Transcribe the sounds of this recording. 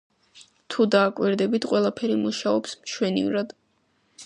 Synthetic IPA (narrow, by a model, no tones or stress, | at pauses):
t̪ʰud̪aːkʼwiɾd̪ɛbit̪ʰqʼwɛlˠapʰɛɾimuʃaɔpsmʃwɛnḭɾad̪̥